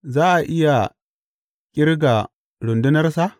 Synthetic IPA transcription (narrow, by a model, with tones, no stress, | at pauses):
zaː˦ʔa˨ʔɪ˦ja˨ | kʲʼɪ˦ɾɡa˨ | ɽʊ˨ndʊ˦nɐ˦rsa˦